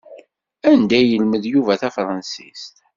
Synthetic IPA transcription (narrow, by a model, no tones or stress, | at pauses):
ænd̪æjəlməðjuvæθæfɾˤɑnsḭst̪